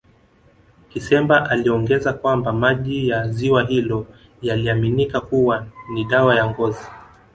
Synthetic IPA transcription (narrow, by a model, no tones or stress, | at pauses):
kisɛmbaʔaliɔŋɡɛzakwambamaʄijaziwaɦilɔ | jaliaminikakuwaniɗawajaŋɡɔzi